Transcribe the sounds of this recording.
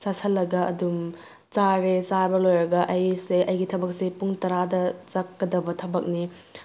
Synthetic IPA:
sasʰɐlːɐɡɐʔɐ̰dum | t͡ʃaɾet͡ʃaɾbɐlojɾɐɡɐʔɐjseʔɐjɡitʰɐbɐk̚sepuŋtɐɾadɐt͡ʃakːɐdɐbɐtʰɐbɐk̚ni

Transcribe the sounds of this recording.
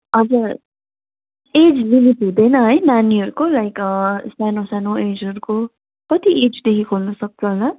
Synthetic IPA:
ʌd͡zʌ | ed͡zminit̪ɦũd̪ʌjnʌɦʌjnaniɦʌɾukolajkʌsanosanoed͡zɦʌɾuko | kʌt̪iʔed͡zd̪ekʰikoɦunʌsʌk̚t͡sʰʌɦola

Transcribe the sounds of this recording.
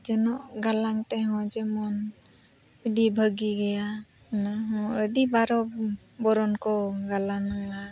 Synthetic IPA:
d͡ʒɔnɔʔɡalaŋt̪ɛɦɔ̃d͡ʒɛmɔn | əɖibʱəɡiɡɛja | naɦɔ̃əɖibaɾɔ | bɔɾɔnkɔɡalanaŋla

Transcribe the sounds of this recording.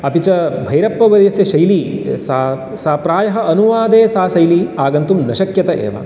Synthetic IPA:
ɐpit͡ʃɐbʱɐjɾɐpːɐʋɐɾɐjɐsjɐʃɐjlisa | saːpɾaːjɐɦɐɐnuʋaːd̪eːsaːʃɐjliaːɡɐnt̪umnɐʃɐkjɐt̪ɐʔḛːʋa̰ːn

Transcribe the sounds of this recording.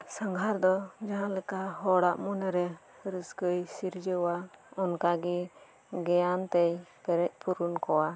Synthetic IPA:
səŋɡʱaɾd̪ɔd͡ʒaɦãlɛkaɦɔɽaʔmɔnɛɾɛ | ɾəskəjsiɾd͡ʒəwaɔnkaɡi | ɡɛjant̪ɛjpɛɾɛc̪̚ˀpuɾunkɔwa

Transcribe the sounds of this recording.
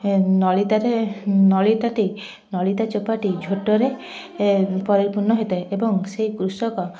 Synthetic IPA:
nɔlit̪aɾenɔlit̪aʈi | nɔlit̪at͡ʃopaʈid͡ʒʱoʈɔɾe | pɔɾiɾpuɾnɔɦejt̪eʔebɔŋsejkɾusɔkɔ

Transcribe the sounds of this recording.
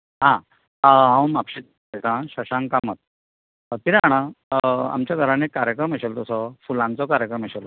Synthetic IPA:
ɦã | ɦãwmapɕit̪̚ | et̪ãɕəɕãŋkamət̪̚ | t̪iɾaɽ̃ãa̰mt͡ɕjaɡ̪ʱəɾãnekːaɾjəkɾəməɕelt̪ɔsɔfulãnt͡sɔkaɾjəkɾəməɕelɔ

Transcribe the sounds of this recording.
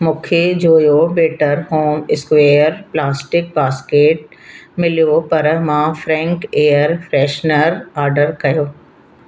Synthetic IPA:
mʊ̃kʰed͡ʑoːjobeːʈəɾɦoːmɪskʋeːjəɾplaːsʈɪk̚paːskeːʈ̚mɪlijopɐɾmãːfɾɛ̃ːŋkeːəɾfʰɾɛːʃnəɾaːɾɖəɾkɐjoː

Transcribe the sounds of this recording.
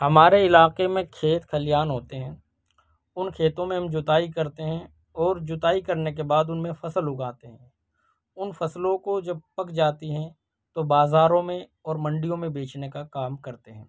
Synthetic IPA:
hɐmaːɾeɪlaːqemẽkʰeːt̪kʰɐlɪjaːnɦoːt̪eɦɛ̃ː | ʊnkʰeːt̪õmẽɦɐ̃md͡ʒʊt̪aːikɐɾt̪eɦɛ̃ | ɔːɾd͡ʒʊt̪aːikɐɾnek̬ebaːd̪ʊnmẽfɐsəlɦʊɡaːt̪eɦɛ̃ː | ʊnfɐslõkod͡ʒɐb̚pɐkd͡ʒaːt̪iɦɛ̃ | t̪obaːzaːɾõmẽɔːɾmɐ̃ɳɖijõmẽbeːt͡ʃnekakaːmkɐɾt̪eɦɛ̃ː

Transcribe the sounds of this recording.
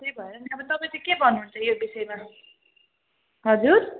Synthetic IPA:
t̪ejbʱʌeɾʌniabʌnit̪ʌpãj̃t͡sʌkebʱʌnːuɦunt͡sʰʌjobisʌjma | ɦʌd͡zuɾ

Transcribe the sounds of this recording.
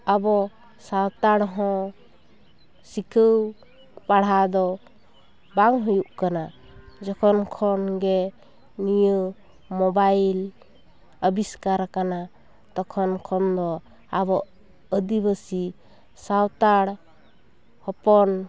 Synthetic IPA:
abɔ | sawt̪aɽɦɔ̃ | sikʰəw | paɽad̪ɔ | baŋɦujuʔkana | d͡ʒɔkʰɔnkʰɔnɡɛ | nijə | mɔbajl | əbiskaɾkana | t̪ɔkʰɔnkʰɔnd̪ɔ | abɔʔ | əd̪ibəsi | sawt̪aɽ | hɔpɔn

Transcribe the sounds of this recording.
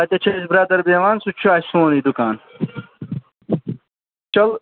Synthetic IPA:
at̪ɐt͡ɕʰɐisbɾaːd̪ɐɾbeːʋaːnsut͡ɕʰuaːsõːnid̪ukaːn | t͡ʃɐl

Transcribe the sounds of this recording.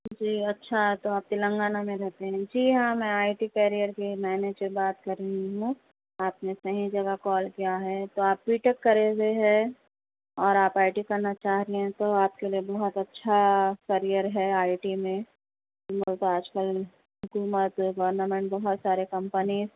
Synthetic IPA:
d͡ʒiːɐtːʃʰaɦɛt̪oaːp̚t̪ɪlə̃ŋɡaːnamẽɾɛɦt̪eɦɛ̃d͡ʒiːɦãmɛ̃aːɪʈikɛːɾijəɾkimɛːned͡ʒebaːt̪kɐɾeɦiɦũ | aːpnesɐɦĩd͡ʒɐɡakɔːlkijaɦɛt̪oaːppiːʈəkːɐɾeɡeɦɛ | ɔːɾaːpaːɪʈikɐɾnat͡ʃaːɦɾɦɛ̃t̪oaːp̚keliebɐɦʊt̪ɐtːʃʰakɐɾijəɾɦɛaːɪʈimẽ | molt̪oaːd͡ʒkəl | ɦʊkuːmət̪ɡɔəɾnəmɛ̃ɳʈ̚bɐɦʊt̪saːɾekɐ̃mpəniːz

